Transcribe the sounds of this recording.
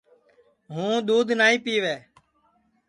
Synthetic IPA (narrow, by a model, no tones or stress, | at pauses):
ɦũːɗ̪uːd̪ʱnaːĩːpiːʋeː